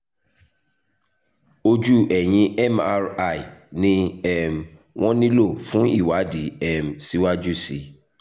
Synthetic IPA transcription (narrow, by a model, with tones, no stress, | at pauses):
o˧d͡ʒu˦ʔɛ˨j̃ĩ˧ɛ˦˨ma˧ɾa˨i˨nĩ˦ɛ˦˨m | w̃ɔ̃˦nĩ˦lo˦˨fũ˦i˦˨wa˨˦di˨˦ɛ˦˨m˨si˦wa˦d͡ʒu˦˨si˨˦